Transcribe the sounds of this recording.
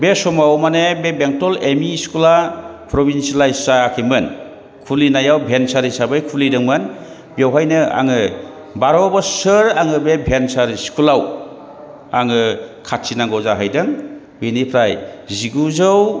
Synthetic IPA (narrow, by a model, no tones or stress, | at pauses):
besɔmawmanebebeŋtɔlemiskulapɾɔbinslajssakʰijmɯn | kʰulinajawbʱensaɾisabɯjkʰulidɯŋmɯn | bjawɦajnɯa̰ŋɯ | baɾɔbɔsɯɾaŋɯbebʱensaɾiskʰulaw | aŋɯkʰatsinaŋɡɔzaɦajdɯŋ | benipʰɾajziɡuzɯw